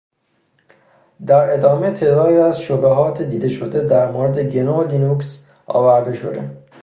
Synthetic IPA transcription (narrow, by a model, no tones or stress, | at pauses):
d̪æɾe̞d̪ɒːme̞t̪ʰe̞d̪ɒːɾiæzʃobeɦɒːt̪ʰed̪iːd̪e̞ʃod̪ed̪æɾmoɾed̪eɟenolinuks | ɒ̰ːvæɾd̪e̞ʃo̰d̪e̞̰